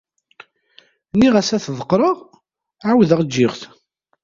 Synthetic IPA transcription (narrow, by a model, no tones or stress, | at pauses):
niʁæsæθðˤəqːɾˤəʁ | ʕawðəʁd͡ʒːɪʁθ